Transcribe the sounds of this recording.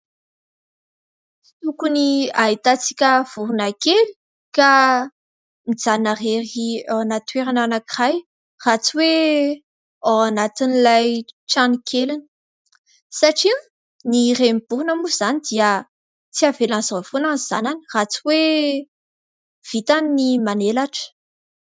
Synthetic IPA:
i̥t̪ukuniait̪at͡si̥kʲəv̥uɾunakeli̥ | ka | mid͡zanareriaanat̪weɾananakiraj | rat͡suwe | awanat̪inilajʈ͡ʂanikʲʰelinə̥ | saʈ͡ʂi | niremib̥uɾunamuz̥anid̪iə | t͡siavelanzafonaniz̥a̰nanirat͡suwe | v̥it̪aminimanelaʈ͡ʂə̥

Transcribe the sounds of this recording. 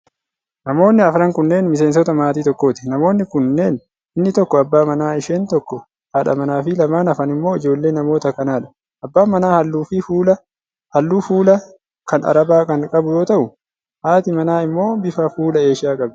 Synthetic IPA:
nɐmo̞ːnːɪɐfɾɐŋkʊnːe̞ːnmɪs̬e̞ːns̬ɔt̪ɐmaːt̪iːt̪ɔkːo̞ːt̪ɪnɐmo̞ːnːɪkʊnːe̞ːn | ɪnːɪt̪ɔkːɔɐbːaːmɐnaːɪʃeːnt̪ɔkːɔ | haːᶑɐ̰mɐnaːfɪlɐmaːnɐfɐnɪmːo̞ːɪd͡ʒo̞ːlːe̞ːnːɐmo̞ːt̪ɐkɐnaːᶑɐ̥ | ʔɐbːaːmɐnaːhɐlːuːfɪuːlɐ | hɐlːuːfuːlɐ | kɐnɐ̰ɾɐbaːkɐnkʼɐbʊjo̞ːt̪ɐʔʊ | haːt̪ɪmɐnaːɪmːo̞ːbɪfɐfuːlɐe̞ːʃɪaːkʼɐb

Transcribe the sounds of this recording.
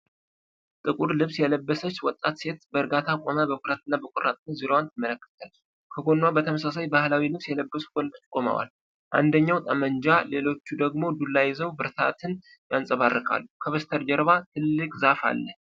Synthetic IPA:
t̪ʼɨkʼuɾlɨβsjɛləbːəsət͡ʃːwɔt̪ʼːat̪se̞t̪bəɨɾɡat̪ʰakʼo̞mabəkʰʷʼʊɾat̪ɨnːabəkʷʼʊrːa̰t̪ʼnziɾowant̪ʰɨmːələkːə̥t̪ʰal | kʰəɡo̞nːwabət̪ʰəməsas̬ajbahlawilɨβsjɛləbːəsu̥ɡ̥ond̪ot͡ʃːkʼomə̰wa̰l | ʔa̰nd̪əɲːawt̪ʼəməɲd͡ʒale̞lo̞t͡ʃːud̪əɡmo̞d̪ulːajɛzəwbɨɾt̪ʰa̰t̪ʰɨn | jansʼəβarːɨkʼa̰lːukʰəβəst̪ʰəɾd͡ʒɛɾβat̪ʰɨlːɨkʼzafa̰lːəh

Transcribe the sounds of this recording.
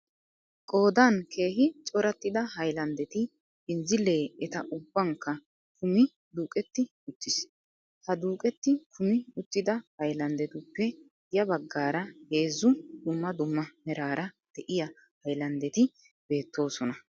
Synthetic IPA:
kʼo̞ːd̪ɐnkʰe̞ːɦɪt͡ʃʼɔɾɐt̪ːɪd̪ɐhɐjlɐnd̪ɛt̪ɪ | ɪnzɪlːe̞ːɛt̪ɐʔʊbːɐŋkːɐ | kʰʊmɪ | d̪uːkʼɛt̪ːɪ | ʊt̪ːɪs | hɐd̪uːkʼɛt̪ːɪkʰʊmɪʊt̪ːɪd̪ɐhɐjlɐnd̪ɛt̪ʊpːɛ | jɐbɐɡːaːɾɐhe̞ːzʊd̪ʊmːɐd̪ʊmːɐmɛɾaːɾʔɐd̪̥ɛʔɪjɐ | hɐjlɐnd̪ɛt̪ɪ | b̥e̞ːt̪ːo̞ːsɔnɐ

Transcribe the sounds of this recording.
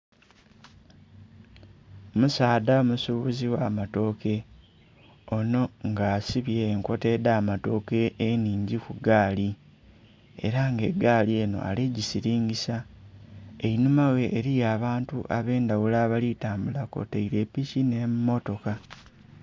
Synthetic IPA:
musaːdaomusuβuziwaːmato̞ke̞ | o̞no̞ŋɡaːsiβjeːŋko̞te̞ːdaːmato̞ke̞ːniːɲɟikuɡaːli | e̞̰ɾaŋɡe̞ɡaːlie̞ːno̞̰ʔa̰liɟisiɾiːɲɟisa | einumawe̞ʔːɾijaːβaːntuʔaβe̞ːndawulaːβalitaːmbulako̰teiɾepicine̞mumo̞to̞ka

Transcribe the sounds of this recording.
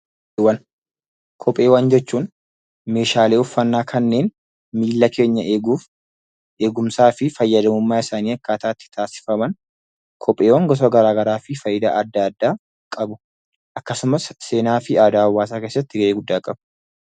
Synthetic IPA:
wɐn | kʰɔpʼːe̞ːwɐnd͡ʒɛt͡ʃːuːn | me̞ːʃaːle̞ːʊfːɐnːaːkʰɐnːe̞ːn | miːlːɐkʰe̞ːɲːɐʔeːɡuːf | ʔe̞ːɡʊmsaːfɪfɐjːɐd̪ɐmʊmːaːɪsaːniːɐkːaːt̪aːt̪ːɪ̥t̪ʰaːsɪ̥fɐmɐn | kʰɔpʼːe̞ːwɐŋɡɔs̬ɔɡɐɾaːɡɐɾaːfɪfɐjɪd̪a̰ːʔɐd̪ːaɐd̪ːaː | kʼɐbʊ | ʔɐkːɐsʊmɐsse̞ːnaːfɪaːd̪aːɐwːaːs̬aːke̞ːsːɐt̪ːɪɡɐʔeːɡʊd̪ːaːkʼɐbʊ

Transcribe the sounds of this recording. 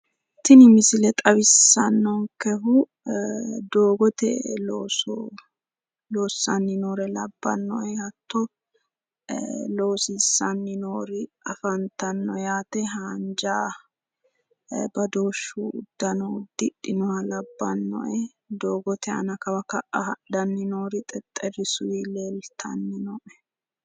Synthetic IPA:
t̪ːɪnɪmɪsɪlɛt̪ʼɐβɪsːɐnːɔŋkɛɦʊ | d̪oːɡɔt̪ɛ̰loːsɔ | loːsːɐnːɪnoːɾɛlɐbːɐ̰nːɔɛhɐt̪ʰːɔ | lo̞ːsisːɐnːɪnoːɾɪɐfɐnt̪ɐnːɔjaːt̪ɛɦaːnd͡ʒaː | bɐd̪o̞ːʃːuʊd̪ːɐnɔd̪ːɪɗɪnɔhɐlɐbːɐnːɔ̰ʔɛ | d̪oːɡɔt̪ɛɐ̰nɐkɐwɐkɐʔɐɐd̪ɐnːɪnoːɾɪt̪ʼɛt̪ʼːɛrɪsʊwiːleːlt̪ʰɐ̰nːɪnɔʔɛ

